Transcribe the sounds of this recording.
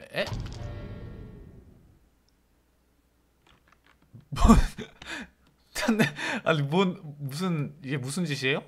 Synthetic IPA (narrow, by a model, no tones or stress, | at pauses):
e | mon | t͡ɕanea̰nimonmusʰɯniɡe̞musʰɯnd͡ʑiɕ̬ʰiejo